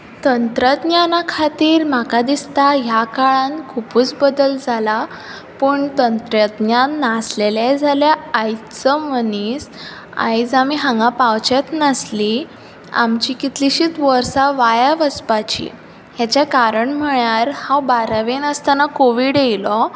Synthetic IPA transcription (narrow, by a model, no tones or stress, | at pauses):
t̪ənt̪ɾəd̪njanakʰat̪iːɾm̤akad̪ist̪aɦjakaɭãnkʰupuːt͡sbəd̪əld͡zʱala | pəɳt̪ənt̪ɾəd̪njanːaslelad͡zʱaljaajt͡səmənis | a̰jt͡samiɦãŋɡãpawt͡ɕet̪nasli | a̰mt͡ɕikit̪liɕiːt̪ʋəɾsaʋajaʋəspat͡ɕḭ | hjat͡ɕakaɾəɳm̤əɳjaɾhãwbaɾaʋenəst̪anakoʋiɽejlɔ